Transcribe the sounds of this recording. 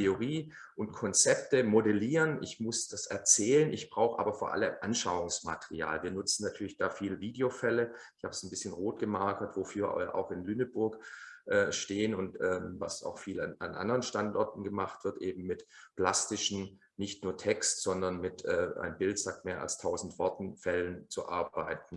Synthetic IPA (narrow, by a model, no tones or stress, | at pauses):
eoʁiː | ʔʊntkʰɔnt͡sɛp̚təmodɛliːʁənʔɪ̰çmʊsd̥asɛɐt͡sɛːlənɪçb̥ʁaʊxəʔa̰ːbɐfoːɐʔa̰ləmʔa̰nʃaʊʊŋsma̰tʰəʁia̰ːlviːɐnʊt͡sn̩natʰyːɐlɪçd̥aːfiːlviːdeofɛlə | ɪçhaːbəsnbɪsçənʁoːt̚ɡ̥əmaɐkɐtv̥ofyːɐʔɔ̰ɪʔa̰ʊxɪnlynəbʊɐkʔɛːʃteːənʊntʔɛːmva̰sa̰ʊxfiːla̰na̰nʔa̰ndəʁənʃtantʔɔɐtn̩ɡəmaχtv̥ɪɐtʔeːbm̩mɪtpl̥astɪʃn̩ | nɪçtnuːɐtʰɛkstz̥ɔndɐnmɪtʔɛ̰ːʔa̰ɪnənbɪltz̥aːk̚tmeːɐʔa̰lstʰaʊzn̩tv̥ɔɐtn̩fɛlənt͡suʔaɐbaɪtn̩